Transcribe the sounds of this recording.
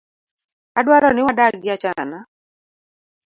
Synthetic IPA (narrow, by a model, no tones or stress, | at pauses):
adwaɾɔnɪwadaɡɪat͡ʃana